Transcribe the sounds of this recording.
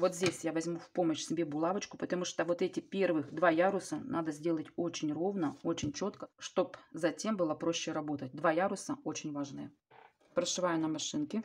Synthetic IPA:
vo̞t̪zʲdʲesʲjavɐzʲmufpo̞məɕsʲɪbʲebʊlˠavət͡ɕkʊ̥pət̪ɐmuʂt̪ovo̞t̪ɛtʲɪpʲe̞rvɨxd̪vajaɾʊsənʔad̪əzʲdʲe̞lˠətʲo̞t͡ɕɪnʲro̞vnəo̞t͡ɕɪnʲt͡ɕo̞t̪kə̥ʂt̪o̞pzɐtʲe̞mbɨlˠəpɾo̞ɕːɪɾɐbo̞t̪ət̚ʲd̪vajaɾʊsəo̞t͡ɕɪnʲvaʐnɨjə | pɾəʂɨvajʊnɐmɐʂɨnkʲɪ

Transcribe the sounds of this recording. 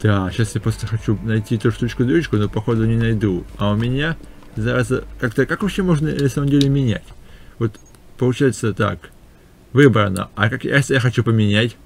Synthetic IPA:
d̪̥aɕasjapɾost̪əxɐt͡ɕunɐjtʲit̪uʂt̪ut͡ɕkʊd̪ɾʲut͡ɕkʊnopɐxo̞d̪ʊnʲɪnɐjd̪uɐʊmʲɪnʲazɐɾazəkakt̪əkakvɐpɕːemo̞ʐnəɪnɐsaməmdʲelʲɪmʲɪnʲæ̰tʲvo̞t̪ | pəlˠʊt͡ɕæjɪt̪sət̪a̰k | vɨbɾənə̰ɐkakja̰st̪əjaxɐt͡ɕupəmʲɪnʲætʲ

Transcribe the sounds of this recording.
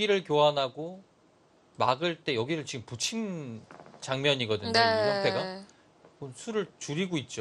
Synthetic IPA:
ɡiɾɯɭkjoɦanɦaɡo | maɡɯɭt͈e̞jʌɡiɾɯɭt͡ɕiɡɯmput͡ɕʰin | t͡ɕaŋmjʌɲiɡʌdɯɲeʌeɡa | konsʰuɾɯɭt͡ɕuɾiɡoit̚t͡ɕ͈o

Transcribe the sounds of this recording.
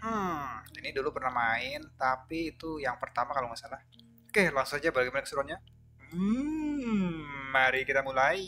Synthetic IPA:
inidulupərnahmaɪnt̪apiːt̪ujaŋpərt̪amakalomasalah | kehlaŋsad͡ʒabaɡamanakə̥suɾanɲa | aɾikit̪amulai

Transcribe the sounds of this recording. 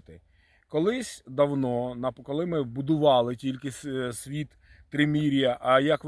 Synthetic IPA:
t̪ɪ | kɔlˠɪsʲd̪ɐwnɔnɐkɔlˠɪmɪbʊd̪ʊʋɑlˠɪtʲilʲkɪssʲʋʲit̪ː | ɾɪmʲiɾʲijɐʔɐjɐkʋ

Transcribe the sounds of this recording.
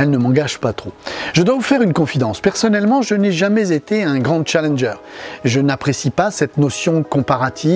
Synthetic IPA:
ɛlnəmɑ̃ɡaʒpat̪χoʒ̥əd̪wavufɛʁynkɔ̃fid̪ɑ̃spɛʁsɔnɛlmɑ̃ʒənɛʒamɛzet̪eɛ̃ɡʁɑ̃t͡ʃalɛnʒœːʁʒənapχesipasɛt̪nosjɔ̃kɔ̃paʁat̪ʰi

